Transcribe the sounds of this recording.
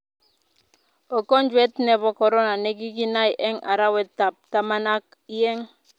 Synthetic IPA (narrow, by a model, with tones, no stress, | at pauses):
o˨kɔ˦nd͡ʒwɛ˦tnɛ˨bɔ˨kɔ˨ɾɔ˦na˨ne˦ɡi˦k̬i˦na˦jʔɛ˦ŋʔa˨ɾa˦wɛ˨tːa˨p̚ta˦ma˦na˦k | i˦jɛ˦ŋ